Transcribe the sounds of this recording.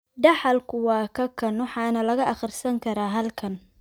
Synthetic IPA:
ɖɑħɑlkʰʊwɑːkʰɐkʰɐnwɑħɑːnɐlɐɣɐʔɐχɪrsɐŋkʰɐɾaːɦɐlkʰɐn

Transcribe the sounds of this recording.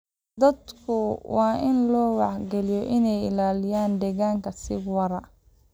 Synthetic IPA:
d̪ɐd̪kʰʊwɑːʔɪnlɔːwɑħɡɛlɪjɔʔɪnɛjɪ̰laːlɪjaːnd̪ɛɣaːŋkʰɐsɪwɐɾɐ

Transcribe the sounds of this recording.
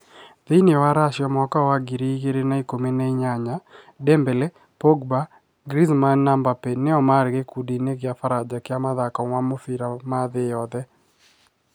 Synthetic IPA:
ðɪnɪwaɾaʃjɔmɔkawaɡiɾiɡeɾenaikomeneiɲaɲa | dɛmbɛlɛ | poɡba | ɡɾizmanːambapenɪɔmaɾɡekudineɡɪafaɾad͡ʒakɪamaðakɔŋwamofiɾamaðɪjɔðɛ

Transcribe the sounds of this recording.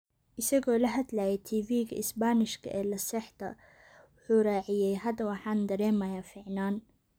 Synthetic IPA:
ʔɪsɐɣɔːlɐɦɐd̪lajɛt̪ʰiːviːɣɐ̰ʔɪsbaːnɪʃkʰɐ̰ʔɛːlɐsɛħt̪ʰɐ̰ | wʊħuːraːʕɪjɛjɦɐd̪ɐwɑħɑːnd̪ɐɾɛːmɐjaːfɪʕnaːn

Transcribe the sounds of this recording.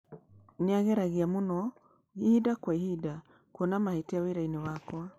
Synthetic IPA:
neaɣɛɾaɣiamunɔ | ɣihidakwaihida | kwɔnamahetiaweɾainewakwa

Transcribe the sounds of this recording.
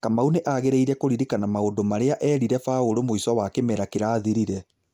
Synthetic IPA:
kamauneʔaɣeɾeiɾɛkoɾiɾikanamaondomaɾeaʔɛːɾiɾɛfaoɾomoiswawakemɛɾakeɾaːðiɾiɾɛ

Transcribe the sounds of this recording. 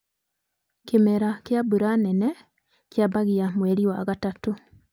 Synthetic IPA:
kemɛɾakjabuɾanɛnɛ | kjabaɣiamwɛɾiwaɣatato

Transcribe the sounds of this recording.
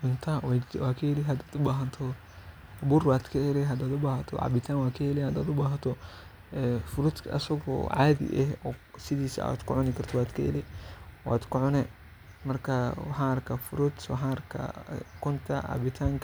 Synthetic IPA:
ʔʊnt̪ʰawawaːkʰɐhɛlɛɦɐd̪aːd̪ʊbaːɦɐnt̪ʰɔ | buɾbaːd̪kʰɐɛɾɛɦɐd̪aːd̪ʊbaːhɐt̪ʰɔ̰ʕɑ̰bɪt̪ʰaːnwaːkʰɐhɛlɛhɐd̪aːd̪ʊbaːɦɐt̪ʰɔ | ɛfʊɾʊd̪kʰɐ̰sɐɣɔ̰ʕaːdɪ̰ʔɛhɔːsɪðiːsa̰a̰d̪kʰʊʕʊnɪkʰɐrt̪ʰɔwaːd̪kʰɐ̰ɛ̰lɛwa̰ːd̪kʰʊʕʊnɛ | mɐrkʰɐwɑħãːɐɾkʰɐfʊɾʊd̪wɑ̰ħãɾkʰɐ̰kʊnt̪ʰɐʔa̰bɪt̪ʰaːŋkʰ

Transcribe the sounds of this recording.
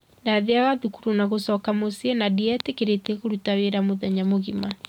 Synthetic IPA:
daðeaɣaðukuɾunaɣosɔːkamosiɛnadiɛtekeɾetɛɣoɾutaweɾamoðɛɲamoɣima

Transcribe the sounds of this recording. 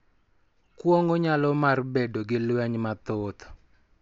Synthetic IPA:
kwoŋoɲalɔmarbedoɡɪlwɛɲmat̪ot̪ɔ̥

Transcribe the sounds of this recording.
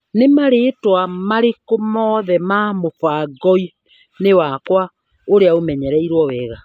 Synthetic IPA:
nemaɾeːtwamaɾekomɔðɛmamofaɡɔi | newakwa | oɾeaomɛɲɛɾɛiɾwɔwɛːɣa

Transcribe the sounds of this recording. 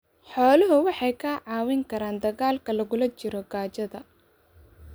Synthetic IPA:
ħɔːlɐɦʊwɑħɑjkʰɐːʕɑːwɪŋkʰɐɾaːnd̪ɐɣaːlkʰɐlɐɣʊlɐt͡ʃɪɾɔɡaːt͡ʃɐðɐ

